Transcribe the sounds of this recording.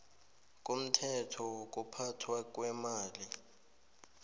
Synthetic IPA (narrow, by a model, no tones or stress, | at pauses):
k̬ʼum̩tʰɛtʰɔk̬ʼupʰatʰwak̬ʼwɛmaːli